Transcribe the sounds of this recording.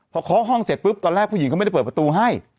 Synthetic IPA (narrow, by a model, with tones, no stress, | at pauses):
pʰɔ˧kʰɔː˨˦˥ɦɔ˥˩ŋse˨˩t̪̚pɯ˦˥p̚t̪ɔː˧nɾɛː˥˩pʰuː˧˩˨i˨˩ŋka˥˩˨m˥˩˥p̚ːpɾa˧t̪uː˧ɦa˥˩j